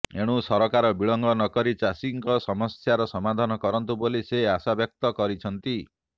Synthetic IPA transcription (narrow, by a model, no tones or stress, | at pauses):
eɽ̃usɔɾɔkaɾɔbiɭɔŋɡɔnɔkɔɾit͡ʃasiŋkɔsɔmɔsjaɾɔsɔmad̪ʱɔnɔkɔɾɔnt̪uboliseasabjɔk̚t̪ɔkɔɾit͡ʃʰɔnt̪i